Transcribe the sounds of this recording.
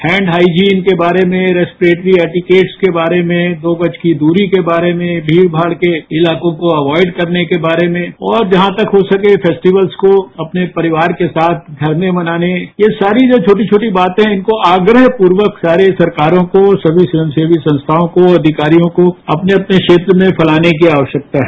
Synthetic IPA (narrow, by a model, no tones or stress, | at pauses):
hɛ̃ːɳɖɦaːid͡ʒiːnkebaːɾemẽɾɛːspɾeːʈɾiɛːʈɪkeːʈskebaːɾemẽd̪oːbɐt͡ʃkid̪uːɾikebaːɾemẽbʱiːɽbʱaːɽkeɪlaːkõkoɐʋɔːɪɖkɐɾnekebaːɾemẽɔːɾd͡ʒɐɦãt̪ɐkɦosɐkefʰɛːsʈiʋəlskoɐpnepɐɾɪʋaːɾkesaːt̪̚ʰɡʱɐɾmemɐnaːnejesaːɾid͡ʒoːt͡ʃʰoːʈ̬it͡ʃʰoːʈibaːt̪ɦɛ̃ɪnkoʔaːɡɾəɦpuːɾʋəksaːɾesɐɾkaːɾõkosɐbʱisɪə̃mseːbisɐ̃nst̪ʰaːõkoɐd̪ʱɪkaːɾijõkoɐpneɐpneʃeːt̪ɾəmẽpʰɐlaːnek̬iaːʋəʃjək̚t̪aɦɛ